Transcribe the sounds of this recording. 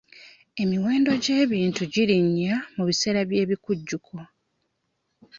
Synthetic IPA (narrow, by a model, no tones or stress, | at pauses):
e̞miwe̞ːndo̞ɟe̞ːβiːntuɟiɾiɲːamuβise̞ːɾaβje̞ːβikuɟːukʰo̞